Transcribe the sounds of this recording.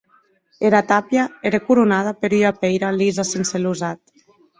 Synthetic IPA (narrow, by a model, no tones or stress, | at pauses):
eɾat̪apjaeɾekuɾunað̞apeɾyɾapejɾalizasenseluzat̪̚